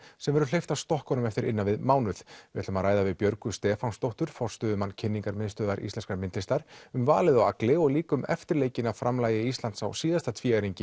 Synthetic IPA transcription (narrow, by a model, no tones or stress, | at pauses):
sɛmvɛɾʏlejft̪ast̪ɔhkɔnʏmɛft̪ɪɾʔɪnːavɪðmaːwnʏθvɪɛt̪lʏmaðɾaːjðavɪpjœɾkʏst̪ɛːfanst̪owht̪ʏɾ̥fɔr̥st̪œːðʏmanːcʰɪnːiŋkaɾmɪðst̪œːðaɾʔḭst̪ɛnskaɾmɪnt̪lɪst̪aɾ̥ʏmvaːlɪðɔwa̰klɪɔɣliːkʏmɛ̰ft̪ɪɾleːjcɪnaðfɾʔamlaːjɪist̪lant̪sa̰wsiːðast̪at̪ʰviːaɾiɲcɪ